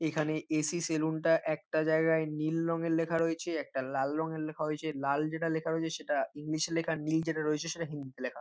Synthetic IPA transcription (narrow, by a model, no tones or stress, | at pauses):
ekʰaneesiselunʈaʔɛk̚ʈad͡ʑaeɡaenilɾɔŋeɾlekʰaɾoet͡ɕʰeɛk̚ʈalalːɔŋeɾlekʰaɦoet͡ɕʰelald͡ʑeʈalekʰaɾoet͡ɕʰeʃeʈaiŋliʃeɾlekʰanild͡ʑeʈaɾoet͡ɕʰeʃeʈaɦind̪it̪elekʰa